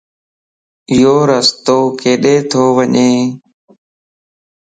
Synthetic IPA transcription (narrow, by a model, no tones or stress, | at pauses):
ɪjoːɾəst̪oːkeːɗeːt̪ʰoːʋəɲeː